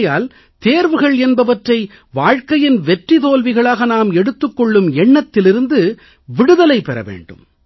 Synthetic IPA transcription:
jaːl | t̪eːɾʋɯɣɐɭɛnbɐʋɐʈrɐɪ | ʋaːɻkɐjɪnʋɛʈrit̪oːlʋɪɣɐɭaːɣɐnaːmɛɽɯt̪ːɯkːɔɭːɯmɛɳːɐt̪ːɪlɪɾɯnd̪ɯ | ʋɪɽɯðɐlɐɪpɛɾɐ̰ʋḛːɳɖɯ̰m

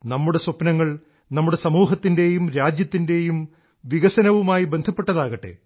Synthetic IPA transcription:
nɐmːuɽe̞sopnɐŋːɐɭ | nɐmːuɽe̞sɐmuːɦɐt̪ːinde̞jumɾaːd͡ʑjɐt̪ːinde̞jum | ʋiɣɐsɐnɐʋumaːjibe̞nd̪ʱɐpːe̞ʈːɐðaːɣɐʈːe̞̰

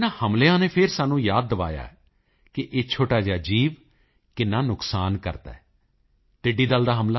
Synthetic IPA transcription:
nãːhəmleãːneːpʰɪɾsaːnːũːjaːd̪̚ːəʋa̰ːja̰ːɛ̰ː | kɪʔeːt͡ʃʰoːʈaːd͡ʒaːd͡ʒiːʋ | kɪnãːnʊksaːnkə̰ɾt̪a̰ːɛː | ʈɪɖiːd̪əld̪aːɦəmlaː

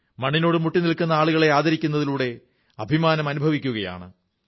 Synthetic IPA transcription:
mɐɳːino̞ːɽɨmuʈːinilkːunːɐaːɭuɣɐɭe̞aːd̪ɐɾikʲːunːɐðiluːɽe̞ | ɐbʱimaːnɐmɐnubʱɐʋikʲːuɣɐja̰ːɳɨ

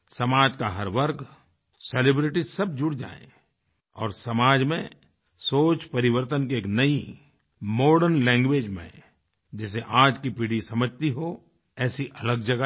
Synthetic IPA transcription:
sɐmaːd͡ʒkaɦɐɾʋəɾɡ | selebɾɪʈisɐbd͡ʒʊɽd͡ʒa̰ːḛ̃ | ɔ̰ːɾsɐmaːd͡ʒmẽ | soːt͡ʃpɐɾɪʋəɾt̪ənk̬ieːknɐi | moːɾɖənlɛ̃ːŋɡʋeːd͡ʒmḛ̃ | d͡ʒɪseʔaːd͡ʒkipiɽisɐməd͡ʒʱt̪iɦo | ɛːsiʔɐləɡd͡ʒɐɡ

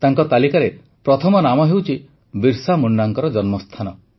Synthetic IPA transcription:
t̪aŋkɔt̪alikaɾe | pɾɔt̪ʰɔmɔnamɔɦewt͡ʃʰi | biɾsamuɳɖaŋkɔɾɔd͡ʒɔnmɔst̪ʰanɔ

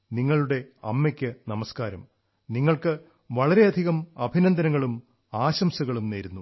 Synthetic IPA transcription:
niŋːɐɭuɽe̞ɐ̰mːekʲːɨnɐmɐskaːɾɐm | niŋːɐɭkɨ | ʋɐɭɐɾe̞ɐd̪ʱiɣɐmɐbʱinɐnd̪ɐnɐŋːɐɭum | aːɕɐmsɐɣɐɭumneːɾunːu

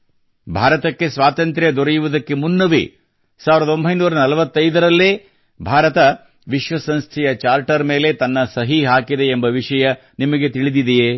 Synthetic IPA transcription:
bʱaːɾɐt̪ɐkːesʋaːt̪ɐnt̪ɾjɐd̪ɔɾejuʋud̪ɐkːe̞munːɐʋḭ | saːʋiɾɐd̪ɐo̞mbʱɐjnuːɾɐnɐlɐʋɐt̪ːɐjd̪ɐɾɐlːeː | bʱaːɾɐt̪ɐ | ʋiʃʋɐsɐnst̪ʰɛjɐt͡ʃaːɾʈɐɾme̞ːle̞t̪ɐnːɐsɐɦiɦaːkid̪e̞ːmbɐʋiʂɐjɐ | nimɐɡe̞t̪iɭid̪id̪ejeː

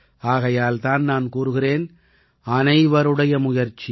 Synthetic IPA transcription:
aːɣɐjaːlt̪aːnnaːnkuːɾɯɣɪreːn | ɐnɐɪʋɐɾɯɽɐjɐmʊjɐɾt͡ʃːi

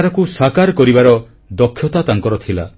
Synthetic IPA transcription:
aɾɔkusakaɾkɔɾibaɾɔ | d̪ɔkʰːjɔt̪at̪aŋkɔɾɔt̪ʰila̰

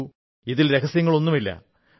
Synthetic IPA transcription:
u | iðilɾe̞kɐsjɐŋːɐɭo̞nːumilːɐ̰

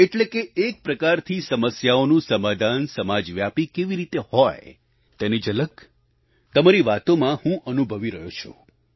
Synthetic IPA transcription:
eʈlekeːk̚pɾəkaɾt̪ʰisəməsjaonũsəmad̪ʱansəmad͡ʒʋjapikeʋiɾit̪ehɔj | t̪ɛnid͡ʒələɡ | t̪əmaɾiʋat̪omãhũʔənubʱəʋiɾəɦjot͡ʃʰo̰

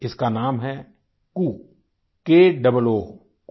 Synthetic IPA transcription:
ɪskanaːmɦɛ | kuː | keːɖɐbəloː

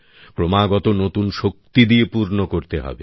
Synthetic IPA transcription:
kɾomaɡɔt̪onot̪unʃok̚t̪id̪iepuɾnokoɾt̪eɦɔ̰bḛ

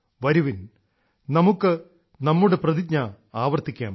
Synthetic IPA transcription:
ʋɐɾuʋin | nɐmukːɨ | nɐmːuɽeprɐðit̚ɲɐ | aːʋɐrt̪ːikʲːa̰ːm

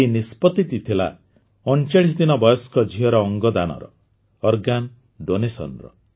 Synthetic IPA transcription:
enispɔt̪it̪it̪ʰila̰ | ɔnt͡ʃaɽis̬ɔd̪inɔbɔjɔskɔd͡ʒʱiɦɔɾɔːŋɡɔd̪anɔ̰ɾɔ̰ː | ɾɡan | ɖonesɔ̰nɾɔ̰

